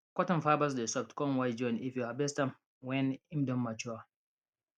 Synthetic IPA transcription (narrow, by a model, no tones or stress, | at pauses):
kʷɔtɔ̃nfabas̬desɔftkɔ̃nwajd͡ʒɔ̃nifjuabɛstãm | wɛnimdɔmːat͡ʃua